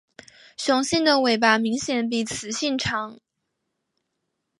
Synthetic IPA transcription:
ɕjʊ˨˩ŋɕi˥˩nd̪ə˨we˨˩ɪp̬a˨˩mi˧˥ŋɕjɛ˨˩np̬i˨˩t͡sʰɹ̩˨˩˦ɕi˥˩nʈ͡ʂʰɑ˧˥ŋ

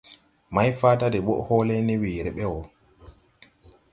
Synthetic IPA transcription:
ma˦jfaː˦tadɛ˨ɓɔ˦ʔhɔː˦lɛ˦ni˦wiː˨ɾɛ˨ɓɛ˦wɔ˨

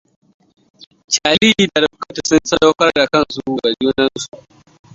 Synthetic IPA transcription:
t͡ʃaː˨liː˦iː˨da˨ɾɐ˦kɐ˦ta˨sɐ˦n˦sɐ˦da˦kɐ˦ɾda˨kɐ˦nsu˨ɡa˨d͡ʒoː˦nɐ˦nsu˨ʔ

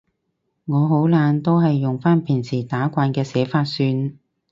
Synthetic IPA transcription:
ŋɔː˨˧ɦo˨˥wlaː˨˧nt̪o˥wɦɐ˨jːʊ˨˩ŋfaː˥npʰɪ˨˩ŋsʰiː˨˩t̪aː˨˥kʷaː˧nkɛː˧sɛː˨˥faː˧t̚syː˧n

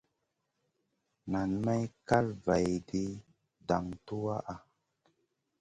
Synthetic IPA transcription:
na˨nma˦jka˦lva˨jdi˦ | da˨ŋtu˦wa˦ʔa˦

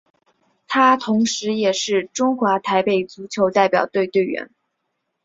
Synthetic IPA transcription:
t̪ʰa˥t̪ʰʊ˧˥ŋʂɻ̩˧˥jɛ˨˩ʂɻ̩˥˩ʈ͡ʂʊ˥ŋxwa˧˥t̪ʰa˧˥ɪpe˨˩ɪt͡su˧˥t͡ɕʰjo˧˥ʊt̪a˥˩ɪpjɑ̰˨˩ʊt̪we˥˧ɪt̪we˥˩ɪɥɛ̰˧˥n

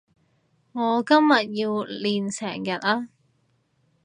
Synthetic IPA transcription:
ŋɔː˨˧kɐ˥mjɐ˨t̚ji˧wliː˨nsɛ̰ː˨˩ŋjɐ˨˩t̚aː˧

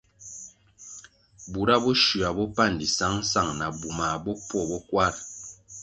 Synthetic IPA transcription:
bu˨ɾa˦bɔ˦ʃu˨a˨bɔ˦pa˦˨n˨di˨sa˦ŋn̩˦sa˦˨ŋna˨bu˨ma˨bɔ˦pwɔ˦˨bɔ˦kwa˦ɾ

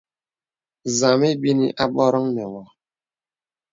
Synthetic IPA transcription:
za˨me˦bi˦ni˦ʔa˦bɔ˦ɾə˦ŋnɛ˨ŋɔ˨

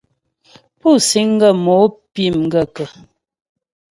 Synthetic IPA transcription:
pu˦˨si˨˦ŋ̩˦ɡə˦˨mɔ˨˦pi˦˨mŋ̩˦ɡə˨kə˨

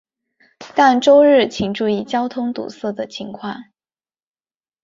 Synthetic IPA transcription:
t̪a˥˧nʈ͡ʂo˥ʊɻɻ̩˥˩t͡ɕʰi˨˩ŋʈ͡ʂu˥˧i˥˩t͡ɕjɑ˥ʊt̪ʰʊ˥ŋt̪ṵ˨˩sɤ˥˩d̪ə˩t͡ɕʰi˧˥ŋkʰwɑ˥˩ŋ

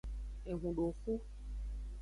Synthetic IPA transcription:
e˨ɣũ˨ɖo˨fo˦

